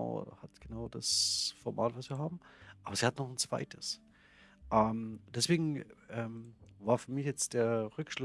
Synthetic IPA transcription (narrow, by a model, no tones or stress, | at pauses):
ʊhatɡ̥ənaʊd̥asfɔɐma̰ːtv̥asv̥iːɐɦaːbm̩ʔaːbɐziːhatnɔχn̩t͡sv̥a̰ɪtʰəs | ʔɛmd̥ɛsv̥eːɡŋ̩ʔɛːmvaːɐfyːɐmɪçjɛt͡std̥eːɐʁʏkʃlʊ